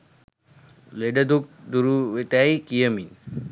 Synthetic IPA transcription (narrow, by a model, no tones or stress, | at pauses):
leɖɐd̪uk̚d̪uɾuʋet̪ajkijəmin